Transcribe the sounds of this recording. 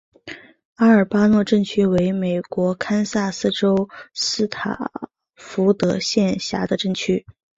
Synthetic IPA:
a˥ə˞˨˩pa˥nwɔ˥˧ʈ͡ʂɤ˥˩ŋt͡ɕʰy˥we˧˥ɪme˨˩ɪkwɔ˧˥kʰa˥nsa˥˩sɹ̩˥˧ʈ͡ʂo˥ʊsɹ̩˥t̪ʰa̰˨˩ | fu˧˥t̪ɤ˧˥ɕjɛ˥˩nɕja̰˧˥d̪ə˧ʈ͡ʂɤ˥˩ŋt͡ɕʰy˥

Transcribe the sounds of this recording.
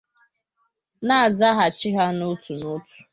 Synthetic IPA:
na˦a˨za˦ɦa˨t͡ʃɪ˦ɦa˦nʊ˦tʰu˨nʊ˦tu̥˨

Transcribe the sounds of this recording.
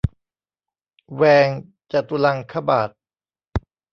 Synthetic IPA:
wɛː˧ŋ | t͡ɕa˨˩t̪u˧la˧ŋkʰa˧baː˨˩t̪̚

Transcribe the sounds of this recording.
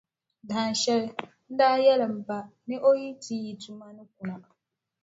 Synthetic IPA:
da˨n˨ʃɛ˦l | n̩˦daː˦jɛ˦lɪ˨m̩˨ba˨nɨ˦ʔo˦ji˦tʰiː˦ji˨du˨ma˦nɨ˦k̚u˨na˨

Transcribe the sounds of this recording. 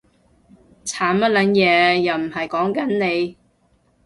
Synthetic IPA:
t͡sʰaː˨˥nmɐ˥t̚lɐ˨˥njɛː˨˧jɐ˨˩wm̩˨˩ɦɐ˨jkɔː˨˥ŋkɐ˨˥nne˨˧j

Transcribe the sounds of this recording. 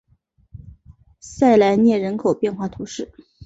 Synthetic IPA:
sa˥˩ɪla˧˥ɪnjɛ˥˩ɻə˧˥nkʰo˨˩ʊpjɛ˥˧nxwa˥˩t̪ʰu˧˥ʂɻ̩˥˩

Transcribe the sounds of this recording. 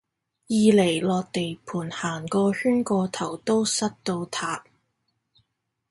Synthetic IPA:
jiː˨˧le˨˩jlɔː˨k̚t̪e˨jpʰuː˨˩nhaː˨˩nkɔː˧hyː˥nkɔː˧t̪ʰɐ˨˩wt̪o˥wsɐ˥t̚t̪o˧wt̪ʰaː˨˧p̚

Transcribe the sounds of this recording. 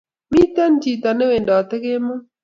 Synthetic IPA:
mi˦t̪a˦nd͡ʒi˨t̪a˨ne˦we˨ndɔ˨t̪e˦ke˦mɔ˦

